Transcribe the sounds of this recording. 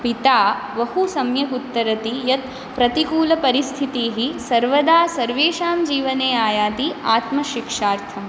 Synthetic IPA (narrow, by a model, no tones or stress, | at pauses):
pit̪aː | ʋɐhusɐmjɐkut̪ːɐɾɐt̪ijɐt̪ | pɾɐt̪ikuːlɐpɐɾist̪ʰit̪iːɦisɐɾʋɐd̪aːsɐɾʋeːʃaːmd͡ʒiːʋɐneːaːjaːt̪iaːt̪mɐʃikʂaːɾt̪ʰɐm